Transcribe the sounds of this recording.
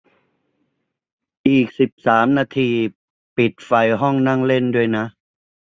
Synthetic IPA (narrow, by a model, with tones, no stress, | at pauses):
ʔiː˨˩k̚si˨˩p̚saː˩˦mnaː˧t̪ʰiː˧ | pi˨˩t̪̚fa˧jɦɔ˥˩ŋna˥˩ŋle˥˩ndu˥˩əjna˦˥ʔ